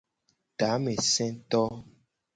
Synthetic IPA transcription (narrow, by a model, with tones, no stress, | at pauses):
t̪a˨˦me˨sɛ̃˦t̪ɔ˦